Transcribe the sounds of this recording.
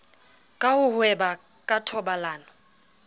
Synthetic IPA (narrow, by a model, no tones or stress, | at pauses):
kʼahʊhwɛba | kʼatʰɔbalaːnɔ